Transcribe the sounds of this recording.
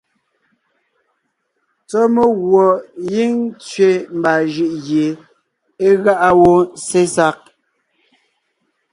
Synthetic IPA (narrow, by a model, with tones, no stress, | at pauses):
t͡sɔ˦me˦ɣwɔ˨ji˦ŋ˦t͡sɥe˦˨m̩˨ba˨ʒʉ˦˨ʔɣje˨ | e˦ɣa˦ʔa˦wo˦se˦sa˦k̚